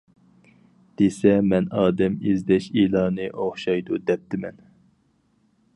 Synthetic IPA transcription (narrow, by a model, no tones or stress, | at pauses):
d̪̥esɛmɛnɑːd̪ɛmizd̪ɛʃilˠɑːnɨʔoχʃɑjd̪ud̪ɛp̚t̪ʰɪmɛ̰n